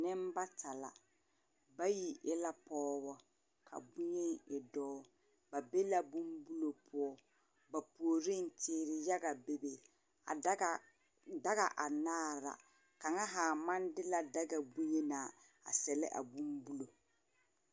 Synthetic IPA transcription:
nɪ˦mba˦tʰa˨la̰˨ | ba˦ji˨ʔɪ˦la˦pɔː˦bɔ˦ | kʰa̰˨bu˦ɲe˦ŋɪ˨dɔː˦ | ba˨be˦la˦bu˦mbu˦lo˨pʰʊ˦ɔ˦ | ba˨pu˨o˨ɾi˦n̩˨tʰɪː˦ɾɪ˨ja˦ɡa˨be˨be˨ | a˨˦ | da˦ɣa˨ʔa˨naː˦˨ɾa̰˨ | ka˨ŋa˦ɦaː˨ma˦ndɪ˦la˨da˦ɡa˨bu˦ɲe˦naː˨ | a̰˨sɛ˨lɪ̰˦ʔa̰˨bu˦mbu˦lo˨

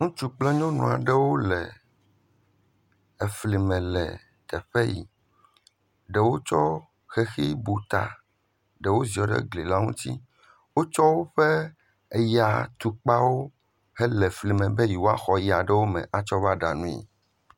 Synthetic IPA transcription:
ŋũ˦t͡ʃu˦k͡plɛ˦ɲɔ̃˦nṵ̃˨a˨ɖɛ˦wo˦lɛ̰˨ | e˨fli˨mɛ̃˨lɛ̰˨ | t̪ɛ˨ɸɛ˦jḭ˨ | ɖɛ˨wo˦t͡ʃɔ˦ | xe˨xi˦bu˨t̪a̰˨ | ɖɛ˨wo˦zi˨ɔ˨ɖɛ̰˦ɡli˨la˦ŋṵ̃˦t̪ḭ˦ | wo˦t͡ʃɔ˦wo˦ɸɛ˦ | e˨ja˨t̪u˨k͡pa˦wo˦ | hɛ˦lɛ˨fli˨mɛ̃˨bɛ˦ji˨wo˦a˦xɔ˨ji˨a˨ɖɛ˦wo˦mɛ̰̃˨ʔa˨t͡ʃɔ˦va˦ɖa˨nũ˦ḭ˨

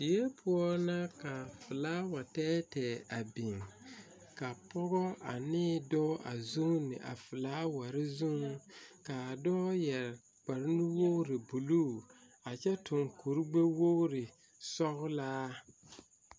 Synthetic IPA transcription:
d̥i˨je˦pʰʊ˦ɔ˦na˦ka˨fɪ˨laː˦wa˨tɛː˦tɛ˨a˨bi˨ŋ | ka˨pɔ˦ɣɔ˦ʔa˨nɪː˦dɔ˦ʔa˨zu˦ŋnɪ̰˨ʔa̰˨fɨ˨laː˦wa˨ɾɪ˦zu˦ŋ˦ka˨dɔ˦jɛ˨ɾ | k͡pa˨ɾɪ˦nu˦wo˦ɾɪ˨bu˨lu˦ | a˨t͡ʃɛ˦tʊ˨ŋku˨ɾɡ͡be˦wo˦ɾɪ˨ | sɔ˦ɣʊ˦laː˦

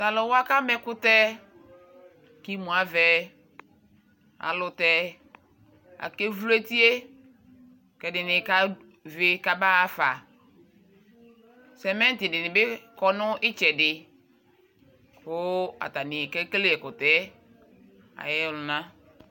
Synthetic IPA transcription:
ta˨lɔ˨wa˦ka˦mɛ˦kʊ˦tɛ˦˨ | ki˦mũ˨a˨vɛ˦ | a̰˨lʊ˨tɛ˦ | a̰˨ke˦vu˦le˦ti˦e˦ | kɛ˨dɪ˨nɪ˨ka˦ | ve˨ka˨ba˦a˦fa˨ | sɛ˨mɛ̃˦n˦tɪ˨dɪ˨nɪ˨bɪ˦kɔ˨nʊ˦ʔɪ˦t͡ʃɛ˨dɪ˨ | kʊ˦a̰˨ta˨nɪ˨kɛ˦kle˦ɛ˨kʊ˨tɛ˦ | a̰˨jɛ˦˨lʊ˨nã˦

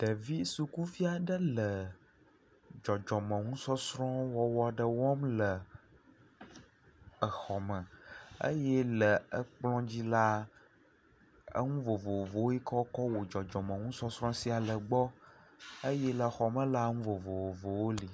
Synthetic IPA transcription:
ɖ̥ə˨vi˦su˨ku˦fi˦a˨ɖə˦lə˨ | d͡ʒɔ˨d͡ʒɔ˨mə̃˨ŋũ˦sɔ˦sɾɔ̃˦wɔ˨wɔ˨a˨ɖə˨wɔ˦mlə˨ | ə˨xɔ˨mə̃˨ə̰˦jɛ˦lə˨ə˦k͡plɔ̃˦d͡ʑi˦la˦ | ə̰˦ŋũ˦vo˨vo˨wo˨vo˨wo˦ji˦kɔ˦kɔ˦wo˨d͡ʒɔ˨d͡ʒɔ˨mə̃˨ŋũ˦sɔ˦sɾɔ̃˦si˦a˨lə˨ɡ͡bɔ˦ | ə˦jɛ˦lə˨xɔ˨mə̃˦la˦ŋũ˦vo˨vo˨wo˨vo˨wo˦li˨

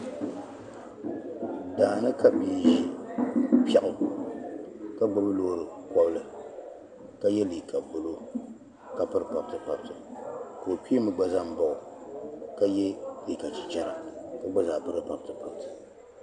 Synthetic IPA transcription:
daː˨nɨ˦ka˦pi˨ʒi˦ | pa˦ʔʊ˨ | ka˦ɡ͡bʊ˦bɨ˦loː˦ɾɨ˨kɔ˦bɨ˦lɨ˨ | ka˦jɛ˦liː˨kʰa˨bʊ˨lo˦ | ka˦pɨ˦ɾɨ˨pa˨b̚tɨ˨pa˨btɨ˨ko˨pi˦mɨ˨ɡ͡ba˨za˦m̩˨bɔ˨ʔʊ˨ka˦jɛ˦li˨ka˨t͡ʃi˨t͡ʃɛ˦ɾa˨ka˦ɡ͡ba˦za˨bɨ˦ɾɨ˦pa˨btɨ˨pa˨btɨ̥˨

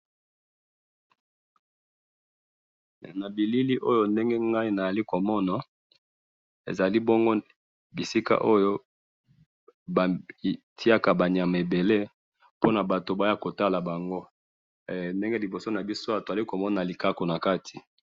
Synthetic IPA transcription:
na˨bi˨li˦li˦ʔo˦jo˦nde˦ŋɡe˦ŋɡa˦i˦na˨ja˨li˦ko˨mɔ˦na˨ | ḛ˨za˨li˦bo˦ŋɡo˦ | bi˨si˦ka̰˦ʔo˦jo˦ | ba˨tʰi˦a˦ka˨ba˨ni˨a˨ma˨e˨be˨le˦ | po˦na˨ba˨to˨ba˨˦a˦˨ko˨ta˦la˨ba˨ŋɡo˦ | nde˦ŋɡe˦li˨bo˨so˦na˨bi˦so˦a˨to˨za˨li˦ko˨mɔ˦na˨li˨ka˦ko˨na˨ka˦tʰi̥˨

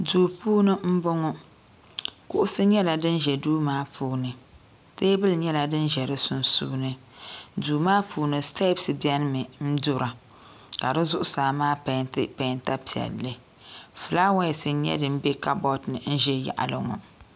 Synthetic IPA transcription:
duː˨puː˦nɨ˦m̩˦bʊ˦ŋɔ˦ | kʊ˦ʔʊ˦sɨ˦ɲɛ˦la˨dɨ˦nʒɛ˨duː˦maː˦pʰuː˦nɨ˨ | teː˦bɨ˦lɲɛ˦la˨dɨ˦nʒɛ˨ɾɨ˦sʊ˦nsṵː˦nɨ˨duː˨maː˦pʰuː˨nɨ˨sta˦bsɨ˨bi˦ɛ˦n˦mɨ˨m̩˦dʊ˦ɾa˨ | ka˨dɨ˦zʊ˦ʔʊ˦saː˨maː˦pa˨ntɨ˦pa˨nta˦pi˨ɛ̰˨lːɨ˦ | fɨ˨la˦wa˦˨sɨ˨˦ɲɛ̰˦dɨ˨m̩˦bɛ˦ka˦bɔ˦tnɨ˨n̩˦ʒɛ˦ja̰˨ʔa̰˨lɨ˨ŋɔ̰˨

